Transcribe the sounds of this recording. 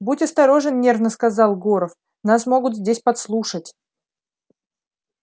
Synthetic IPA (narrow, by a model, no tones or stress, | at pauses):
butʲɐst̪ɐɾo̞ʐɨnnʲe̞rvnəskɐzɑlˠɡoɾəf | nasmo̞ɡʊt̪zʲdʲesʲpɐt̪slˠuʂətʲ